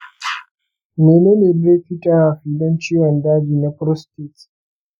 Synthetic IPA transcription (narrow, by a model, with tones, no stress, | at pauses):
meː˨neː˦neː˨bɾe˦ɸi˦tʼa˦wa˨ɸiː˨dɔ˦nt͡ʃi˦jɐ˨ndaː˦d͡ʒiː˨na˦pɾɔ˦stɪ˦˨t